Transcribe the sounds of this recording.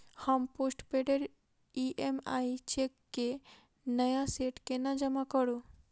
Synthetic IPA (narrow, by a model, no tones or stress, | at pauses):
hamposʈpeɖeɾ | iʔema̰jt͡ʃekːe | nəjaseʈkenad͡ʒəmakɔɾu